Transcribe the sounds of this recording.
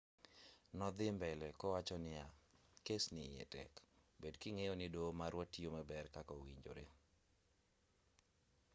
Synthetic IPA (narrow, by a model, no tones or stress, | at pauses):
nɔd̪ɪmbɛlɛkɔwat͡ʃɔnɪakesnɪɛ̰tɛ̰kbedkiŋejɔnɪdomaɾwɔtːiomɛbɛrkakɔwiɲd͡ʒo̰ɾe